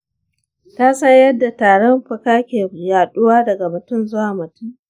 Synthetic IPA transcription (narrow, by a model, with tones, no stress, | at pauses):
taː˦sɐ˦ɲjɐ˦dːa˨taː˨ɽɔ˦mɸɐ˨kaː˦kʲeː˨jaː˨ɗʊ˦waː˦dɐ˨ɡa˨mʊ˨tʊ˦˨mzʊ˦waː˨mʊ˨tʊ˦m